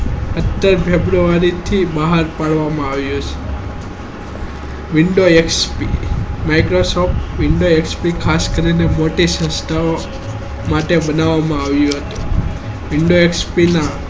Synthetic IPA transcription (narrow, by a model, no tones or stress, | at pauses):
ət̪ːəɾpʰebɾuʋaɾit̪ʰibaɦaɾpaɭʋamãaʋjũt͡ʃʰe̥ | ʋiɳɖoekspimajkɾosopʈʋɪɳɖoekspikʰaskəɾinemoʈisə̃st̪a | maʈebənaʋamãaʋjũɦət̪ũ | ʋɪɳɖoekspina